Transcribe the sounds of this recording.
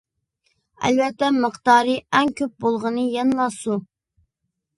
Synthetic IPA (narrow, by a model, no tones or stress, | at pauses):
æ̰lvɛt̪ːɛməqt̪ɑːɾɨɛŋkʲʰøp̚bolˠʁənɨjɛnlˠɑsu